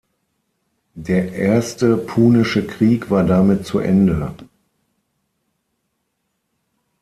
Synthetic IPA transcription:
deːɐʔeːɐstəpʰuːnɪʃəkʁ̥iːkv̥aːɐdamɪt̚t͡suʔɛ̰ndə

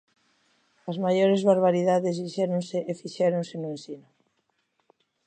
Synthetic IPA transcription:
ɐzmajoɾezβaɾβ̞aɾiðaðezβiʃɛɾonseʔːfiʃɛɾõnsenoensino

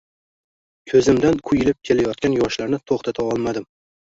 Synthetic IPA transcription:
kʲʰɵzɪmd̪ankʰʊjɪlɪp̚kʲʰe̞lajɒt̪̚kʲanjɒʃlaɾnɪt̪ʰoχt̪ʰat̪ʰaɒlˠmad̪ɪm

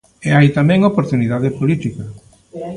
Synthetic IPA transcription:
eajt̪amɛ̃ŋopoɾt̪uniðaðepolit̪ikɐ

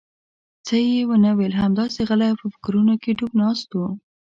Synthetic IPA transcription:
t͡səjewənəwelɦamd̪ɑseɣəlajpəfɪ̥kɾunokeɖubnɑst̪u

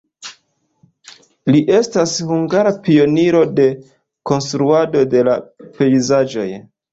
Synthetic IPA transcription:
liʔe̞stashuŋɡaɾapio̞niɾo̞de̞ | ko̞nstɾuado̞de̞la̰pe̞izad͡ʒo̞̰j

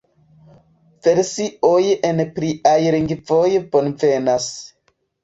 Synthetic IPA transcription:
veɾsiʔojenpɾiʔajɾiŋɡvojponvenas

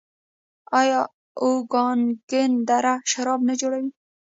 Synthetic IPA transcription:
ɑjɑ | oɡɑnɡɪnd̪aɾaʃaɾɑbnad͡ʒoɽawi

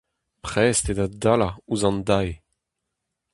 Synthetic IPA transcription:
pχɛst̪ed̪adalauzɑ̃nd̪aj

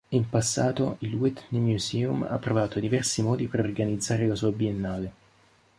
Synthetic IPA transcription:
impasːaːt̪oilwɛt̪nemjusɛːuma̰pːɾovaːt̪od̪ivɛrsimɔːd̪ipeɾorɡanid̪zːaːɾelasuːabienːaːle

